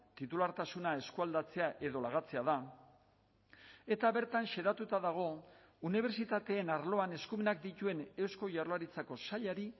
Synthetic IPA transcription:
t̪it̪ulaɾt̪asunae̞skuald̪at͡se̞aʔe̞ðo̞laɣat͡se̞aða | e̞t̪aβe̞ɾt̪anʃe̞ðat̪ut̪aðaɣ̞o̞ | uniβ̞e̞ɾt͡sit̪at̪e̞ːnaɾlo̞ane̞skume̞nak̚d̪it̪ue̞ne̞wsko̞ʝarlaɾit͡sako̞saʎaɾi

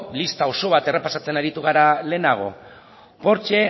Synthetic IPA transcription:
list̪ao̞so̞β̞at̪e̞re̞pasat͡se̞naɾit̪uɣ̞aɾale̞ːnaɣ̞o̞̰ | po̞ɾt͡ʃe̞

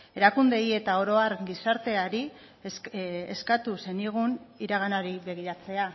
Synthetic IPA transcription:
e̞ɾakund̪e̞je̞t̪ao̞ɾo̞aɾɡisaɾt̪e̞aɾi | ḛskat̪use̞niɣ̞uniɾaɣ̞anaɾiβe̞ɣ̞iɾat͡se̞a

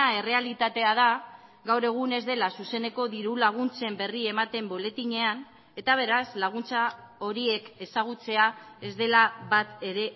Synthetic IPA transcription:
ae̞re̞alit̪at̪e̞að̞a | ɡawɾe̞ɣ̞une̞zd̪e̞lasuse̞ne̞ko̞ðiɾulaɣ̞unt͡se̞mbe̞rie̞mat̪e̞mbo̞le̞t̪iɲe̞an | e̞t̪aβ̞e̞ɾazlaɣ̞unt͡sao̞ɾie̞ke̞saɣ̞ut͡se̞ae̞zd̪e̞laβat̪e̞ɾe̞

